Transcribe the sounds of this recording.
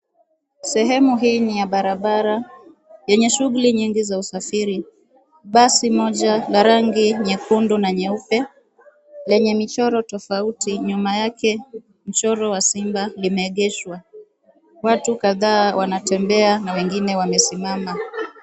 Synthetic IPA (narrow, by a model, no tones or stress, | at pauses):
sɛɦɛmuɦiːnijaɓaɾaɓaɾa | jɛɲɛʃuɣuliɲiŋɡizausafiɾi | ɓasimɔʄalaɾaŋɡiɲɛkundunaɲɛupɛ | lɛɲɛmit͡ʃɔɾɔtɔfautiɲumajakɛ | m̩t͡ʃɔɾɔwasimbalimɛːɠɛʃwa | watukaðaːwanatɛmbɛanawɛŋɡinɛwamɛsimama